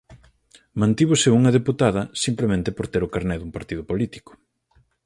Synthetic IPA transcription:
mãnt̪iβʊseuŋɐðeput̪að̞ɐsimplemẽnt̪ɪpoɾt̪eɾʊkaɾnɛðumpaɾt̪ið̞ʊpolit̪i̥kʊ̥

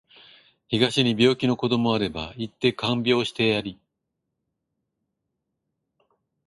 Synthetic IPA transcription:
çiɡaɕiɲ̟ibʲjo̞ːkʲino̞ko̞d̪o̞mo̞aɾe̞ba̰it̪ːe̞kãmbʲo̞ːɕi̥t̪e̞jaɾʲi

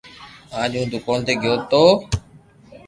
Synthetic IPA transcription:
ãːʄũːd̪ʊkoːnt̪eːɡʱɪjoːt̪oː

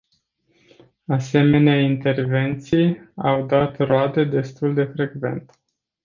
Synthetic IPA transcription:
ase̞me̞neaint̪e̞rve̞nt̪sijawd̪at̪road̪ed̪e̞st̪uld̪e̞fɾe̞ɡve̞̰nt̪

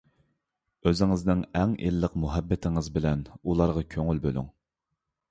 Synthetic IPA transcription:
øzɪŋɪznɪŋɛŋʔḛlːəqmuɦɛbːɪt̪ʰɪŋɨzbɪlɛnulˠɑɾʁɑkʲʰøŋylbøly̰ŋ

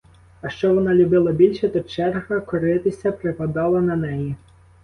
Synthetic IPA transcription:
ɐʃt͡ʃɔʋɔnɑlʲʊbɪlˠɐbʲilʲʃɛt̪ɔt͡ʃɛrɦɐkɔɾɪt̪ɪsʲɐpɾɪpɐd̪ɑlˠɐnɐnɛji

